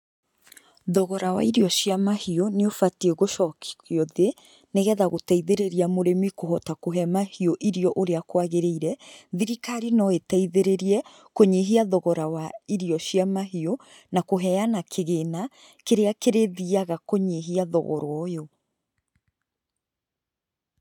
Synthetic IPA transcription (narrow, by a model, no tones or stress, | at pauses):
ðɔɣɔɾawa̰iɾjɔʃjamahioneofatieɣoʃɔki̥kjɔðe | neɣɛðaɣotaiðeɾeɾiamoɾemikoɦɔtakoɦɛmahioʔiɾiɔʔoɾeakwaɣeɾeiɾɛðiɾikaɾinɔetaiðeɾeɾiɛ | koɲeɦiaðɔɣɔɾawaiɾiɔɕjamaɦio | nakoɦɛjanakʰeɣena | keɾeakeɾeðiaɣakoɲeɦiaðɔ̰ɣɔ̰ɾwɔjɔ